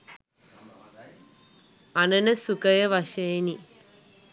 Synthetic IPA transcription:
ɐnɐnɐsukɐjɐʋɐʃeːni

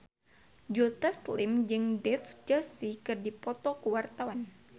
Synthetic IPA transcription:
d͡ʒut̪aslɪmd͡ʒɨŋdɛfd͡ʒəsikɨrdipɔt̪ɔkəwart̪awan

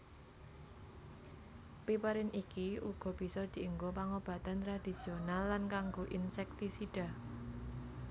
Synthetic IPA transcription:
pipəɾɪnikiuɡ̥ɔ̤b̥i̤sɔd̪̥i̤ʔəŋɡopaŋob̥ä̤t̪ant̪ɾad̪̥i̤sionalːankaŋɡoʔinsɛk̚t̪isiɖ̥a̤

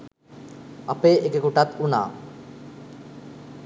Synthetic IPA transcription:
apeʔekekuʈat̪una̰ː

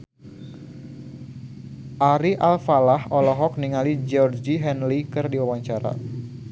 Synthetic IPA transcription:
ʔaɾiʔalfalahɔlɔɦɔk̚niŋalid͡ʒɔrd͡ʒiɦɛnlikɨrdiwawaɲt͡ʃaɾa̰

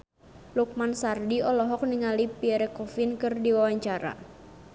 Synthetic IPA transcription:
luk̚mansardiɔlɔɦɔk̚niŋalipiɛɾɛkɔfinkɨrdiwawaɲt͡ʃaɾa̰

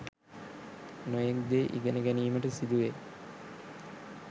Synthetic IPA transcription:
nojekd̪eːʔḭɡənəɡæniːməʈəsid̪uʋe

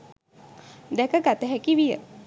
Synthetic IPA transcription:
d̪ɛkəɡat̪əɦɛkiʋijə̰

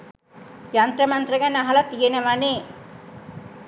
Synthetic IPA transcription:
jant̪ɾəmɐnt̪rɐɡænːaɦɐlɐt̪iɡenəʋaneː

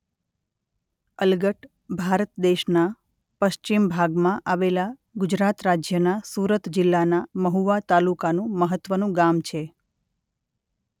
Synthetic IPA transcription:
əlɡəʈ | bʱaɾət̪d̪eʃna | pəʃt͡ʃimbʱaɡmãʔaʋela | ɡʊd͡ʒɾat̪ɾad͡ʒjənasuɾət̪d͡ʒɪlːanaməɦuʋat̪alukanũməɦət̪ːʋənũɡamt͡ʃʰe

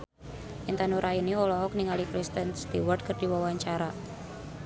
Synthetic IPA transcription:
ʔint̪anuɾʔainiɔlɔɦɔk̚niŋalikɾist̪ənst̪iwərd̚kərd̥i̤wawaɲt͡ʃaɾa

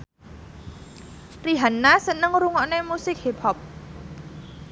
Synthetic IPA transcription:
riɦanːasənəŋɾuŋɔʔnemusɪk̚hipʰɔp̚

